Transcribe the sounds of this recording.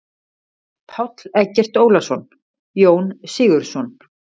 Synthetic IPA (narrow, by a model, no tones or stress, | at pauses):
pʰawt̪l̥ɛcːɛr̥t̪oːwlasɔn | joːwnsɪːɣʏɾ̥sɔn